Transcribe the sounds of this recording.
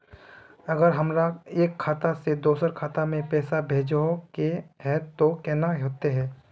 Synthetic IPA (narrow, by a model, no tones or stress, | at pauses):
ɐɡəɾɦɐmɾaeːkʰːaːt̪ased̪oːsəɾkʰaːt̪amẽpɛːsabʱeːd͡ʒokeɦɛːt̪okɛːnaɦoːt̪eɦɛː